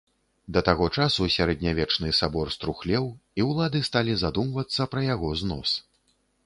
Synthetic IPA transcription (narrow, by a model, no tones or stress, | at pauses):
d̪ɐt̪aɣɔt͡ʂasusʲaɾɛd̪ʲnʲavʲɛt͡ʂnɨsabɔrst̪ɾuxlʲɛwiwlˠad̪ɨst̪alʲizad̪umvɐt̪sːɐpɾɐjaɣɔznɔs